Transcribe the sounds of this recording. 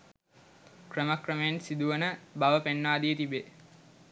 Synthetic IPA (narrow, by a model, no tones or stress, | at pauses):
krəməkrəmejensid̪uʋənəbaʋəpenːaːd̪ijət̪ibe